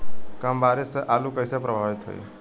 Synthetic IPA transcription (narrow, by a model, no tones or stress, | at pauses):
kambaɾisʔalũkəjsepɾəbʱaʋit̪ɦo̰j̰